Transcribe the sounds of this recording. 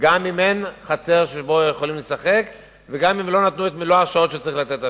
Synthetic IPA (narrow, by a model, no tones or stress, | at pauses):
ɡamimenχat͡se̞ʁʃebo̞jeχolimle̞saχe̞k | ve̞ɡamimlo̞nat̪nuet̪miloaʃao̞t̪ʃet͡saʁiχlat̪e̞t̪a